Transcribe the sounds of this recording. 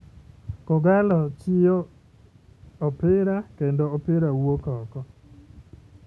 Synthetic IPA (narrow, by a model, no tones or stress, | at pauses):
kɔɡalɔt͡ʃɪjɔ | ɔpɪɾakendoːpɪɾawokɔkɔ